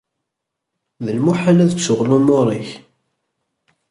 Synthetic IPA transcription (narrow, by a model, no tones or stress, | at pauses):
ðəlmuħalæðət͡sːʊʁlumoɾˤiç